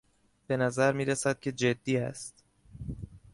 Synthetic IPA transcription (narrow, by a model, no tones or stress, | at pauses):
b̥e̞næzæɾmiːɾesæd̪̥̚cʲʰe̞d͡ʒe̞d̪ːiːæ̰st̪